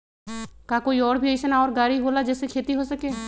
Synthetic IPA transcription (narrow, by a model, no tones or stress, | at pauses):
kaːkoːiɔːɾbʱiəjʃənaɔːɾɡaːɾiɦoːlad͡ʒɛːsekʰeːt̪iɦoːsəkeː